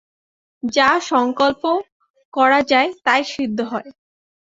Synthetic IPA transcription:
d͡ʑaʃɔŋkolpo | kɔɾad͡ʑaet̪aeʃid̪ʱːoɦɔe

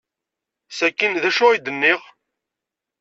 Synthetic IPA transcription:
sækːənðæʃʊid̪ənːɪʁ

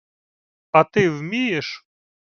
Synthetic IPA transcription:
at̪ɪvmʲijɛʂ

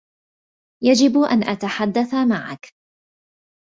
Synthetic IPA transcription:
jad͡ʒɪbʔa̰nʔat̪aħad̪ːaθamaʕa̰k

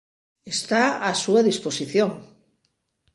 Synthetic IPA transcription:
est̪aasuaðisposiθjoŋ

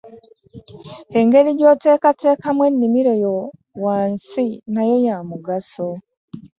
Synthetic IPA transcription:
heŋɡe̞liɟo̞te̞ːkate̞ːkamwenːimiɾejo | waːnsinajo̞jamuɡaso

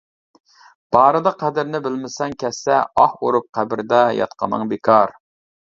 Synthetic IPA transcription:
b̥ɑːɾɨd̪ɑqʰæd̪ɪɾnɪbɪlmɪsɛŋkʲʰɛsːɛɑhwo̰ɾup̚qʰæbɪɾd̪ɑjɑ̰t̪qʰɑ̰nɨ̰ŋbekʰɑɾ

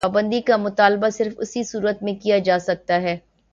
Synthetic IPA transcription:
aːbə̃nd̪ikamʊt̪aːlbasɪɾfʊ̰sisuːɾət̪mẽkijad͡ʒaːsɐk̚t̪aɦɛː

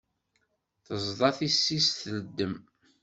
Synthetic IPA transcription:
θəzˤðˤɑθisːisθələd̪ːəm

